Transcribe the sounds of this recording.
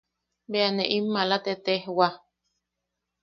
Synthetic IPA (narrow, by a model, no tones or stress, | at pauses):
beaneʔimːalat̪et̪ehwa